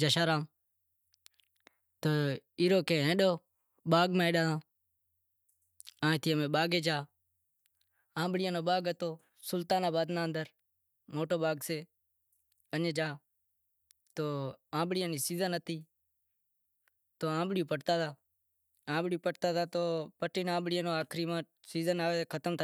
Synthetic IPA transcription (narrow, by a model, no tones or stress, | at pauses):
d͡ʒəʃaːɾaːm | t̪oːiːɾoːkẽːɦẽːɗoː | ɓaːɡmãːeːɗaːt̪ãː | ãːt̪iːəmẽːɓaːɡeːd͡ʒaː | ãːɓɽɪjãːnoːɓaːɡət̪oː | sʊlt̪aːnãːbaːd̪nãːənd̪əɾ | moːʈoːɓaːɡseː | ənẽːd͡ʒaː | t̪oːãːɓɽɪjãːniːsiːzənət̪iː | t̪oːãːɓɽɪjũːpəʈt̪aːt̪ʰaː | ãːɓɽijũːpəʈt̪aːt̪ʰaːt̪oːpəʈiːnãːɓɽɪjãːnoːaːkʰɾiːmãː | siːzənaːʋeːkʰət̪əmt̪ʰaː